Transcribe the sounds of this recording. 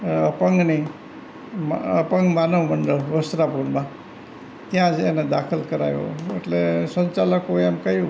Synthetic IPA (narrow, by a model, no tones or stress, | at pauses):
əpəŋɡni | məpəŋɡmanəʋməɳɖəɾʋəsɾapuɾmã | t̪jãd͡ʒened̪akʰəlkəɾa̰jo̰o̰ḛʈlesəɲt͡ʃaləkoemkəɦiũ